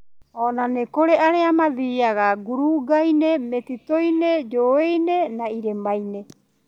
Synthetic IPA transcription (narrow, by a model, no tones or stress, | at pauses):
onanekoɾeʔaɾeamaðiːaɡaɡuɾuɡajnemet̪itojned͡ʒoːejnenaiɾemajne